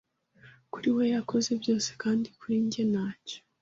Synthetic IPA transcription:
kuɾiwe̞jakʰo̞ze̞bjo̞ːse̥kaːndikuɾiːɲɟe̞naːco̥

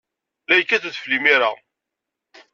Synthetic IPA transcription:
læjkːæθæθflimiɾa

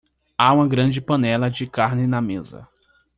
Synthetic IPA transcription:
aũmɐɡɾɐ̃d͡ʒɪpɐ̃nɛlɐd͡ʒɪkaɾnɪnɐmezɐ̰

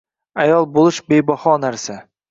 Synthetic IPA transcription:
ajɒlˠbolˠɪʃbejbɒhɒnaɾsa

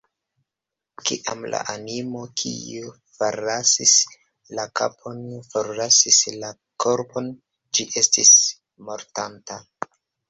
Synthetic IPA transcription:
kḭʔamla̰ʔanimo̞kʰḭu | faɾasis | lakapʰo̞nfoɾlasisla | kʰo̞ɾpo̞n | d͡ʒiʔe̞stis | mo̞ɾtanta

